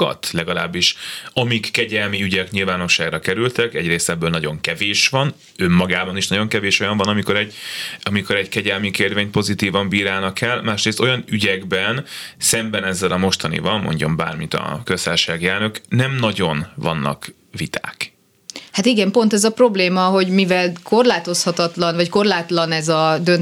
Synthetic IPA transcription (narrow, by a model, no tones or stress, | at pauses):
ɒ̰t̪lɛɡɒla̰ːbːiʃɒmikːɛɟɛlmiyɟɛkɲilvaːno̞ʃːaːɡɾrɒkɛɾylt̪ɛkɛɟreːst̪ɛbːøːlnɒɟo̞ŋkɛveːʃʋɒn | ø̞mːɒɡaːbɒniʃnɒɟo̞ŋkɛveːʃo̞jɒɱvɒnɒmiko̞ɾɛɟɒmiko̞ɾɛckɛɟɛlmikeːrveːɲpo̞zit̪iːvɒmbiːɾaːnɒkɛlmaːʃreːst̪o̞jɒnyɟɛɡbɛnsɛmbɛnɛzːɛlɒmo̞ʃt̪ɒnḭvɒmːo̰ɲɟɒmba̰ːrmit̪ɒ̰køst̪a̰ːrʃaːɡjɛrnøknɛmnɒɟo̞nvɒ̰nːɒ̰k | vit̪ʰa̰ːk | hat̪iɡɛmpo̞nt̪ɛzɒpro̞bleːmɒɦo̞ɟmivɛlkʰo̞rlaːt̪o̞shɒt̪ɒt̪lɒnvɒcko̞rlaːt̪lɒnɛzɒd̪øn